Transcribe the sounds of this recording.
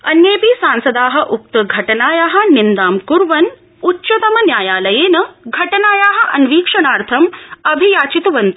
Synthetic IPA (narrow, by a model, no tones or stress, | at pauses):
ɐnjeːpisaːnsɐd̪aːɦɐ̆ʔuk̚t̪ɐɡʱɐʈɐnaːjaːɦɐ̆nind̪aːmkuɾʋɐn | utːʃɐt̪ɐmɐnjaːjaːlɐjeːnɐɡʱɐʈɐnaːjaːɦɐ̆ʔɐnʋiːkʂɐɳaːɾt̪ʰɐmɐbʱijaːt͡ʃit̪uʋɐnt̪u̥